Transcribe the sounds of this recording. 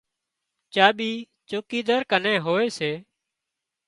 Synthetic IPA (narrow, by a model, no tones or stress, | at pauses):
t͡ʃaːɓiː | t͡ʃoːkiːd̪əɾkənẽːɦoːeːseː